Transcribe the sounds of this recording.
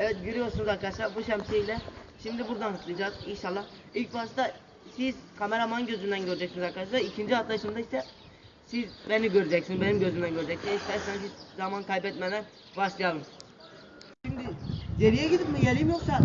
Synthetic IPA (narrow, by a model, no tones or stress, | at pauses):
ɛvɛt̪̚ɟøɾijoɾsunuzaɾkʰad̪at͡ʃlˠaɾbuʃɛmsejlʲɛʃimd̪ibuɾd̪anɦat̪ʰlˠɯd͡ʒaːzinʃalˠːah | ilʲcbast̪a | sizkʰameɾamanɟø̞zymd̪ænɟøɾid͡ʒɛcsnzaɾkʰad̪aʃ̬lˠaɾicʰind͡ʒiat̪lˠaʃɯmd̪aisɛ | sizbeniɟøɾid͡ʒɛcsinbenimɟø̞zymd̪ænɟøɾd͡ʒɛcsiniʃt̪ɛsansizzamankʰajbɛt̪mɛmɛ | baʃlˠɯjalˠɯm | ʃimd̪iɟeɾijɛɟid̪ipmɯɟɛlʲiimjoksa